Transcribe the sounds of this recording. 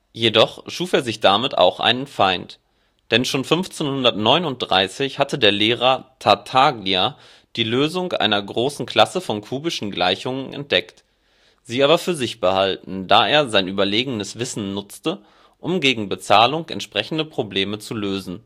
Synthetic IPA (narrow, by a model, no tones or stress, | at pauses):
jedɔχʃuːfeːɐzɪçd̥amɪta̰ʊxʔa̰ɪnənfaɪnt | d̥ɛnʃoːnfʏnft͡senhʊndɐtnɔʏnʊnt̚d̥ʁa̰ɪsɪçhatədeːɐleːʁɐtʰatʰaɡlia | d̥iːløːzʊŋkʔa̰ɪnɐɡʁoːsn̩kʰl̥asəfɔnkʰuːbɪʃn̩ɡla̰ɪçʊŋənʔɛ̰nt̚d̥ɛkt | z̥iːaːbɐfyːɐzɪçb̥əhaltn̩daːeːɐzaɪnʔyːbɐleːɡənəsv̥ɪsn̩nʊt͡stə | ʔʊmɡeːɡŋ̩bət͡saːlʊŋʔɛ̰ntʃpʁ̥ɛçn̩dəpʁ̥obleːmət͡suløːzn̩